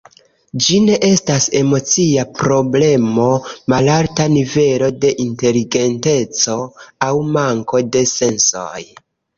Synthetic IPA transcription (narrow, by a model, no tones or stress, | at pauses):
d͡ʒine̞ʔe̞stase̞mo̞t͡siapɾo̞ble̞mo̞malaɾtanive̞lo̞de̞ʔinte̞liɡe̞nte̞t͡so̞awmaŋko̞de̞se̞nso̞̰j